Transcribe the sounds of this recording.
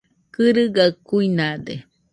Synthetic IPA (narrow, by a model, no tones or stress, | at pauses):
kɨɾɨɡakuinad̪e